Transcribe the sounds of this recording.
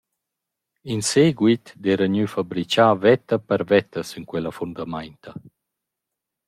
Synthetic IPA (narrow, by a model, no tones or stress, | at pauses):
inseːɡwit̪d̪ɛːɾaɲyfabɾit͡ʃaːvɛt̪ɐpəɾvɛt̪ɐsinkwɛlɐfund̪amajnt̪ɐ